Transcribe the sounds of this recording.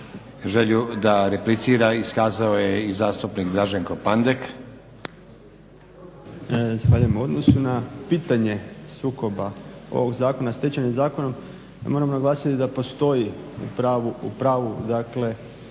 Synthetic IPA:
ʒeʎud̪aɾeplit̪siːɾaiskaːzaojeizaːst̪upnikd̪ɾaʒeŋkopand̪ek | zaxʋaːʎujemuo̞d̪no̞sunapiːt̪aɲe̞suːko̞bao̞̰ʋo̞ɡzaːko̞nast̪et͡ɕaɲemzaːko̞no̞m̰ | mo̞ɾamonaɡlˠaːsit̪id̪apo̞st̪o̞jiṵpɾaːʋuupɾaːʋud̪akle̞

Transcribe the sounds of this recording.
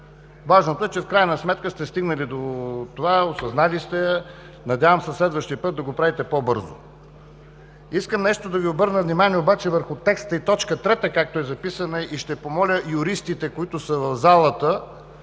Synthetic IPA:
vaʒnot̪oɛt͡ʃɛfkɾajənəsmɛt̪kəst̪ɛst̪iɡnəlid̪ot̪ovaosɐznalist̪ɛ | nɐd̪ʲavəmsəslɛd̪vəʃt̪iəpɤt̪̚d̪ɐɡopɾavit̪ɛpobɤɾzo̰ | iskəmnɛʃt̪od̪ɐviobɤɾnəvnimaniɛobat͡ʃɛvəɾxʊt̪ɛkst̪əit̪ɔt͡ʃkət̪ɾɛt̪əkak̚t̪oɛzɐpisənɐʔiʃt̪ɛpomɔlʲəjʊɾist̪it̪ɛkoit̪ʊsəvɐvzalˠət̪ə

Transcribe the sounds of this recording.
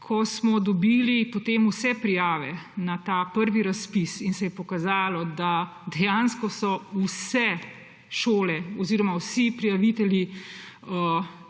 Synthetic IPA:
kʰɔsmɔd̪ɔbiːlipɔt̪eːmusɛpɾijaːʋɛnat̪aːpəɾʋiɾaspisinsɛjɛpɔkazaːlɔd̪a | d̪ɛjanskɔsɔusɛ | ʃoːlɛɔziːɾɔmawsipɾijaʋit̪ɛlji | ə

